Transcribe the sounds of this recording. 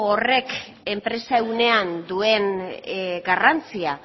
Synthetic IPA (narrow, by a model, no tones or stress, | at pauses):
ore̞k | e̞mpɾe̞saewne̞and̪ue̞n | ɡarant͡sia